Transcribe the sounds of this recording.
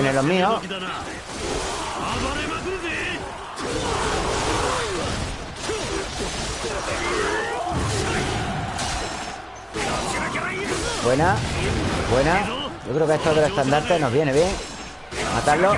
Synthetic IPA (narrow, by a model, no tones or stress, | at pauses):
nelomĩo | bwena | bwenaɟ͡ʝokɾeokeest̪oðelest̪and̪aɾt̪enoɦβje̞neβjeŋ | mat̪aɾlo